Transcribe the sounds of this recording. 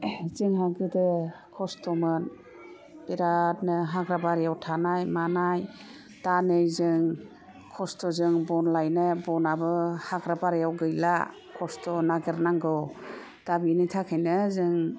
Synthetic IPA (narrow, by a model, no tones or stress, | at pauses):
zɯŋɦaɡɯdɯ | kʰɔstɔmɯn | b̥iɾat̚nɯɦaɡɾabaɾjawtʰanajmanaj | tanɯjzɯŋ | kʰɔstɔzɯŋbɔnlajnɯbɔnabɯhaɡɾabaɾjawɡɯjla̰ | kʰɔstɔnaɡɯɾnaŋɡɯw | d̥abinijtʰakʰajnɯzɯŋ